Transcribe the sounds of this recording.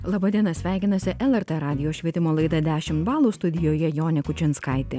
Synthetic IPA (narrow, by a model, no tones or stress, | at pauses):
lˠɑːbɐd̪ʲiɛnɐsʲʋʲæˑɪkʲɪnɐsʲɪʔɛlˠɛɾt̪ɛɾɑːd̪ʲɪjoːʃʲʋʲiɛt̪ʲɪmoːlˠɐɪd̪ɐd̪ʲæːʃʲɪmt̪bɑːlˠuːst̪ʊd̪ʲɪjoːjɛjoːnʲɛkʊt͡ʃʲɪnskɑˑɪt̪ʲɪ